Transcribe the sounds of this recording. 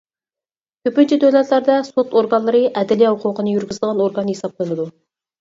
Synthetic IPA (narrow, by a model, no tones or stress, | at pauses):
kʲʰøpɪnt͡ʃʰid̪øwlɛt̪læɾd̪ɛsot̪oɾɡɑnlˠɨɾɨʔɛd̪ɪlijɛhʊqʰʊqənɨjyɾɡʲizd̪əʁɑnoɾɡɑnjesɑp̚lˠənɨd̪u